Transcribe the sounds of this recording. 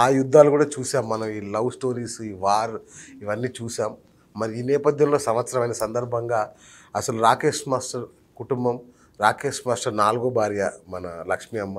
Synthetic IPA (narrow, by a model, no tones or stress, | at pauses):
aːjud̪ʱːaːlukuːɽaːt͡ʃuːsaːmːɐnɐmiːlɐwsʈo̞ːɾiːsiːʋaːɾiʋɐnːiːt͡ʃuːsaːmː | ɐɾiiːnɛːpɐd̪ʱjɐmlo̞ːsɐmʋɐt̪sɐɾɐmɐjnɐsɐnd̪ɐɾbʱɐŋɡaː | ɐsɐluɾaːkeːʂmaːsʈɐɾ | kuʈumbɐm | ɾaːkeːʂmaːsʈɐɾnaːluɡoːbʱaːɾjɐmɐnɐlɐkʂmiɐmːɐ